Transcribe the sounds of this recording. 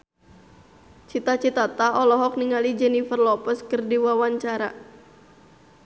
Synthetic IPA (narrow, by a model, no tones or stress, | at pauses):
t͡ʃit̪at͡ʃit̪at̪aɔlɔɦɔk̚niŋalid͡ʒɛnifərlɔpəskɨrdiwawaɲt͡ʃaɾa